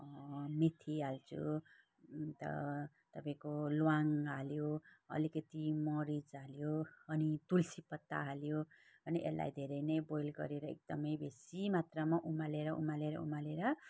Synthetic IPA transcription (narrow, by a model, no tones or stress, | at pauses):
met̪ʰialt͡sʰṵ | t̪ʌ̰ | t̪ʌpaĩkolwaŋaljoʌ̰likʌt̪imʌɾid͡zaljoʌnit̪ulsipʌt̪ːa̰ɦaljo | ʌniʔḛlːa̰jd̪ʱeɾʌjnʌjbojlɡʌ̰ɾeɾʌḛk̚d̪ʌmʌjbesimat̪rʌmʌʔumaleɾʌṵmaleɾʌ̰ṵmaleɾʌ